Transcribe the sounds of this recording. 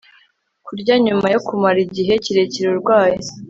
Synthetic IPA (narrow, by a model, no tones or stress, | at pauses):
kuɾɟaɲumajokumaɾiɟiɦe̞ciɾe̞ciɾuɾɡwaːji